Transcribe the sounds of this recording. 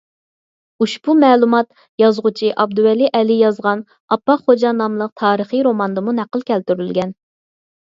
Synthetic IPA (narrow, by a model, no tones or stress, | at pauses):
uʃbumɛːlˠumɑt̪ | jɑzʁʊt͡ʃʰiʔɑb̚d̪uwɛliʔɛlijɑzʁɑn | ɑpːɑχod͡ʒɑnɑmlˠəq̚t̪ʰɑːɾəχiɾomɑnd̪ɨmunæqːəlˠkʲɛlt̪yɾylɡʲɛn